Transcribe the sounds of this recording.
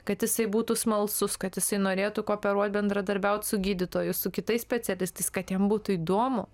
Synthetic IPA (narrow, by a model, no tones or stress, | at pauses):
kɐt̪jɪsɐɪbuːt̪usmɐlˠsʊskɐt̪jɪsɐɪnoːɾʲeːt̪ʊkoːpʲɛɾuɔt̪̚ʲbʲɛnd̪ɾɐd̪ɐɾʲbʲɛʊt̪ʲsʊɡʲiːd̪ʲɪt̪oːjʊssʊkʲɪt̪ɐɪsʲpʲɛt͡sʲɛlʲɪst̪ɐɪskɐt̪jɛmbuːt̪ʊiːd̪oɔmʊ